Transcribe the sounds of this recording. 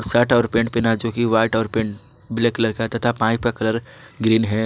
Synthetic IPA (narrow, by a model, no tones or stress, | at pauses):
saʈɔːɾpẽːɳʈpɪnad͡ʒoːkiʋaːɪʈɔːɾpẽːɳʈ | bɪlekɐləɾkat̪ɐt̪ʰapãːĩpkakɐləɾ | ɡɾiːnɦɛː